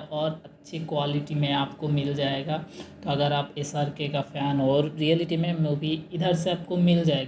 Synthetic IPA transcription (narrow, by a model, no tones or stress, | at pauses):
ɔːɾɐtːʃʰikwaːlɪʈimẽaːpkomɪld͡ʒaːeɡat̪oɐɡəɾaːpesaːɾkekapʰɛːnɔːɾɾiəlɪʈimẽmobiɪd̪ʱəɾseaːp̚komɪld͡ʒaːeɡ